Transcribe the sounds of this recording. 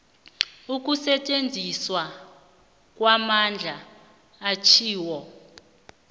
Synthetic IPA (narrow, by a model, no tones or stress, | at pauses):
uk̬ʼusɛt͡ʃʼend͡zʱiswa | kʼwamand͡ɮʱaː | t͡ʃʰiːwɔ